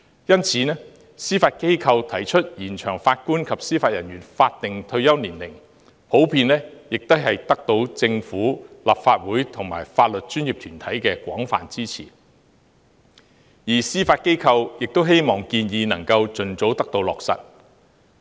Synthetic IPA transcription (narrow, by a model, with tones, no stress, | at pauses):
jɐ˥nt͡sʰiː˨˦nɛː˥ | siː˥faː˧t̚ke˥jkʰɐ˧wt̪ʰɐ˨˩jt͡ʃʰɵ˥t̚jiː˨˩nt͡ʃʰœː˨˩ŋfaː˧t̚kuː˥nkʰɐ˨p̚siː˥faː˧t̚jɐ˨˩njyː˨˩nfaː˧t̚t̪ɪ˨ŋt̪ʰɵ˧ɥjɐ˥wniː˨˩nlɪ˨˩ŋ | pʰo˨˥wpʰiː˧nlɛː˥jɪ˨k̚t̪ɐ˥jhɐ˨jt̪ɐ˥k̚t̪o˧wt͡sɪ˧ŋfuː˨˥laː˨˩p̚faː˧t̚wuː˨˥jt̪ʰʊ˨˩ŋma̰ː˨˩jfaː˧t̚lɵ˨t̚t͡ʃyː˥njiː˨p̚t̪ʰyː˨˩nt̪ʰɐ˨˥jkɛː˧kʷɔ̰ː˨˥ŋfa̰ː˨˩nt͡siː˥t͡sʰḭː˨˩ | jiː˨˩siː˥faː˧t̚ke˥jkʰɐ˧wjɪ˨k̚t̪o˥wɦe˥jmɔː˨˩ŋkiː˧njiː˧nɐ˨˩ŋkɐ˧wt͡ʃɵ˨nt͡so˨˥wt̪ɐ˥k̚t̪o˧wlɔ̰ː˨k̚sɐ̰˨t̚